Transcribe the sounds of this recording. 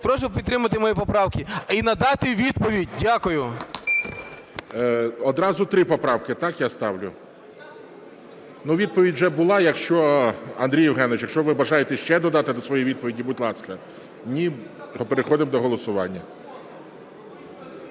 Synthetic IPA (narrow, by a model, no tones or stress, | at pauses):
pɾɔʃʊpʲid̪t̪ːɾɪmɐt̪ɪmɔjipɔpɾɑwkʲiinɐd̪ɑt̪ɪʋʲid̪̚pɔʋʲidʲdʲakʊjʊ | ɔd̪ɾɑzʊt̪ɾɪpɔpɾɑwkɪt̪ɑkjast̪ɑwlʲʊ | nuʋʲid̪̚pɔʋʲidʲʒɛbʊlˠɑjɐkʃt͡ʃɔɐ̰nd̪ɾʲijɪwɦɛnet͡ʃjɐkʃt͡ʃɔʋɪbɐʒɑjet̪ɛʃt͡ʃɛd̪ɔd̪ɑt̪ɪd̪ɔsʋɔjijʋʲid̪̚pɔʋʲidʲibʊt̪ʲlˠɑskɐ | nʲiɔpeɾexɔd̪ɪmd̪ɔɦɔlˠɔsʊʋɑnʲːɐ